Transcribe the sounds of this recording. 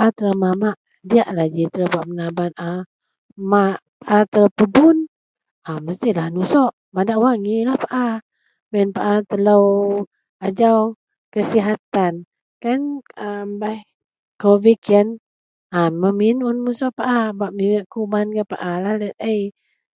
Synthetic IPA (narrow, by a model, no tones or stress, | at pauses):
ʔat̪ələwmamaʔ | diaʔlahd͡ʒit̪ələbaʔmənabana | mapaʔat̪ələwpəbun | aməst̪ilahnusɔʔ | madaʔwaŋilahpaʔa | bɛnpaʔat̪ələw | ad͡ʒaw | kəsiɦat̪an | kanambah | kovikən | aməminunmusɔʔpaʔabaʔmiməʔkubankapa̰ʔalahlɛt̪̚əj